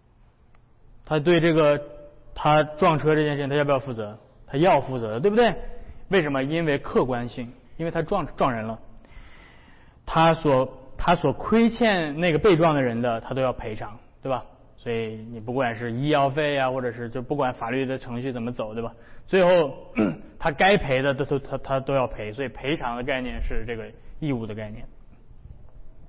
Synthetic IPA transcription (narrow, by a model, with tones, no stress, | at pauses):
t̪ʰa˥t̪̬we˥˧ɪʈ͡ʂɤ˥˩ɡə˩t̪ʰa˥ʈ͡ʂwɑ˥˩ŋʈ͡ʂʰɤ˥ʈ͡ʂɤ˥˧t͡ɕjɛ˥˧˥jfu˥˩t͡sɤ˧˥ | t̪ʰa˥jɑ˥˧ʊfu˥˩t͡sɤ˧˥də˧t̪we˥˩bu˩d̪we˥˩ɪwe˥˩ɪʂ̬ə˧˥mə˧i˥nwe˥˧ɪkʰɤ˥˩kwa˥nɕi˥˩ŋi˥nwe˥˧˩ɪtʰa˥ʈ͡ʂwɑ˥˧ŋ˥ʈ͡ʂwɑ˥˩ŋɻə˧˥nlə˧ | t̪ʰa˥swɔ˨˧˩t̪ʰa˥swɔ˨˩kʰwe˥ɪt͡ɕʰjɛ˥˧nne˥˩ɡə˩pe˥˧ɪʈ͡ʂwɑ˥˩ŋd̪ə˩ɻə˧˥nd̪ə˧t̪ʰa˥t̪o˥ʊjɑ˥˩ʊpʰe˧˥ɪʈ͡ʂʰɑ˧˥ŋt̪we˥˩bɐ˩ | swɔ˧˥i˧˩ni˨˩p̬u˥˩kwa˨˩nʂɻ̩˥˧i˥jɑ˥˧ʊfe˥˩ɪja˧xwɔ˥˩ʈ͡ʂɤ˨˩ʂɻ̩˥˧t͡ɕjo˥˧ʊpu˥˩kwa˨˧˥nfa˨˩ly˥˩d̪ə˩ʈ͡ʂʰɤ˧˥ŋɕy˥˩t͡sə˨˩mə˦t͡so˨˩ʊt̪we˥˩a˨˩t͡swe˥˧ɪxo˥˩ʊ | t̪ʰa˥ka˥ɪpʰe˧˥ɪd̪ə˧t̪o˥o˥˧t̪ʰa˥t̪ʰa˥t̪o˥ʊjɑ˥˩ʊpʰe˧˥ɪswɔ˧˥i˨˩pʰe˧˥ɪʈ͡ʂʰɑ˧˥ŋd̪ə˧ka˥˧ɪnjɛ˥˧nʂɻ̩˥˧ʈ͡ʂɤ˥˩ɡə˩i˥˧u˥˩d̪ə˦ka˥˧ɪnjɛ̰˥˩n